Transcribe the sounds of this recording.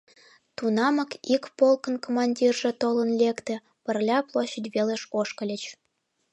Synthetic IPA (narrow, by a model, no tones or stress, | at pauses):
t̪unɑmɤ̆kikpolˠkə̆nkomɑnʲdʲirʒĕt̪olə̆nlʲekt̪ĕ | pə̆rlʲɑplˠoɕːĕdʲβelʲeʃoʃkə̆lʲĕt͡ɕ